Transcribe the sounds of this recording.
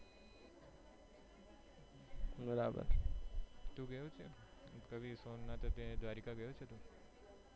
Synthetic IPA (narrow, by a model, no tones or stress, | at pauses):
bəɾabə̰ɾ | t̪ũɡəjũt͡ʃʰekəbisonːat̪ot̪ed̪ʋaɾikaɡəjot͡ʃʰet̪ũ